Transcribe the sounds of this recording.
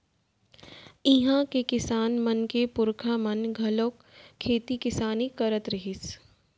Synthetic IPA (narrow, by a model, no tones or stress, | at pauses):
ɪɦãkekɪsaːnmɐnkepʊɾkʰamɐnɡʱɐloːkʰː | eːt̪ikɪsaːnikɐɾət̪ɾɪɦɪs